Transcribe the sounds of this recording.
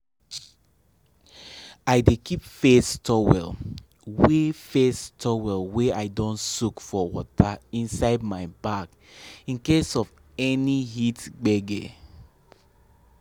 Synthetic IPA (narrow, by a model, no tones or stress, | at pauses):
aɪdekʰipfestʰɔwɛ̰l | wefestʰɔwɛlweaɪdɔ̃nsukfɔwɔtʰaĩnsaɪdmaɪbak | ĩnkesɔv | ɛnihitɡ͡bɛɡe